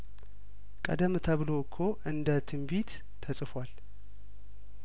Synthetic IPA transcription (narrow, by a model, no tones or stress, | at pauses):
kʼə̰d̪əmt̪ʰəβɨlokʰːoʔɨnd̪ət̪ʰɨmbit̪ | t̪ʰːəsʼɨfwal